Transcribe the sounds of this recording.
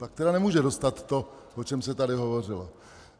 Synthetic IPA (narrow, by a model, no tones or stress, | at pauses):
pak̚t̪ɛɾanɛmuːʒɛdost̪at̪ːo̞ | ʔot͡ʃɛmsɛt̪adɪɦo̞vo̞r̝ɪlo